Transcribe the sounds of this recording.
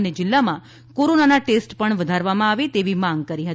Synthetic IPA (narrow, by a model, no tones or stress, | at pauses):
ned͡ʒɪlːamã | koɾonanaʈesʈpəɳʋəd̪ʱaɾʋamãaʋet̪eʋimãŋɡ̚kəɾiɦət̪